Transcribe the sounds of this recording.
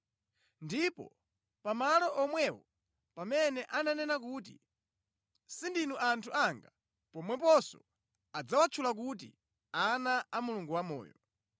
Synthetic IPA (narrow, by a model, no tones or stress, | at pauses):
ndipɔ̰ | pamalɔʔɔmwɛwɔ | pamɛnɛʔananɛnak̬ut̬ḭ | sindinuʔantʰuʔaŋɡa | pɔmwɛpɔsɔ̰ | ad͡zawat͡ʃʰulak̬ut̬ḭ | anaːmuluŋɡuwamɔ̰ːjɔ̰